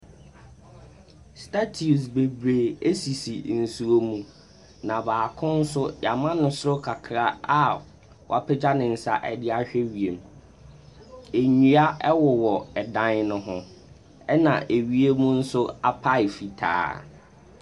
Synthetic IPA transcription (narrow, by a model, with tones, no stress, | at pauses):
stʰa˦tʰi˨u˨sbe˨bɾe˨e˦si˨si˨n̩˨su˨o˦mũ˦ | nã˨baː˨kʰʊ̃˦n̩˦sʊ˦ja˨mã˦nʊ̃˦sʊ˦ɾʊ˦kʰa˨kʰɾa˦a˦ | wɔ̰˨a˨pʰɛ˦d͡ʑa˦nɪ̃˨n̩˨sa̰˦ʔɛ˨dɪ˦a˦ɕᶣɛ˦ɥi˨e˨m˨ | e˨ɲũ˨˦a˦ʔɛ˦wɔ˨wɔ˨ɛ˨dã˦nnʊ̃˦ɦʊ̃˦ | ɛ˦nã˨ʔe˨ɥi˦e˦mũ˦n̩˦sʊ˦a˨pʰa˦ɪ˨fi˨tʰa̰ː˨˦